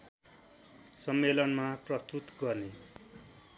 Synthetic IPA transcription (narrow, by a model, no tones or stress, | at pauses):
sʌmːelʌnmaprʌst̪ut̪ɡʌrne